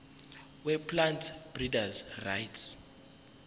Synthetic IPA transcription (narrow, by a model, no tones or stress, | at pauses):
wɛpʰlantʰb̥ridazrajtʰs